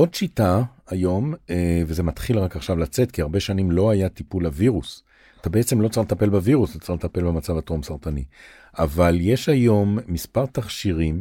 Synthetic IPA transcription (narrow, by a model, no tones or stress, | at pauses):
o̞d̪ʃitaajo̞meveze̞mat̪χilʁakaχʃavlat͡se̞t̪kiaʁbe̞ʃanimlo̞ajat̪ipulaviʁus | at̪abeet͡semlot͡saalet̪ape̞lbaviʁust̪at͡salet̪ape̞lbemat͡savat̪ʁomsaʁt̪ani | avalje̞ʃajo̞mːispaʁt̪aχʃiʁim